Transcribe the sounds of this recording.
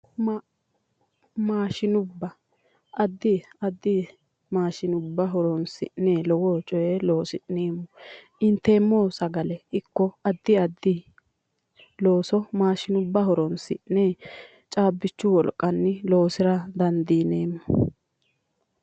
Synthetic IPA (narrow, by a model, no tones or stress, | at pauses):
m | maːʃɪnʊbːɐ | ʔɐd̪ːɪɐd̪ːɪ | maːʃɪnʊbːɐɦɔɾɔnsɪ̰ʔnɛlɔwot͡ʃʼɔjelo̞ːsɪneːmːɔʔɪnt̪ːeːmːoːsɐɡɐlɛɪkːɔɐd̪ːɪɐd̪ːɪ | lo̞ːsɔmaːʃɪnʊbːɐɦɔɾɔnsɪnɛ | t͡ʃʼaːbːɪt͡ʃːʊwɔlkʼɐnːɪlo̞ːsɪɾɐd̪ɐnd̪iːneːmːɔ